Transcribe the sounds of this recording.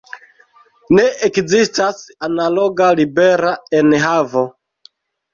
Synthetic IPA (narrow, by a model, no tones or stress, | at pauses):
neʔekzistasanalo̞ɡalibeɾaenɦavo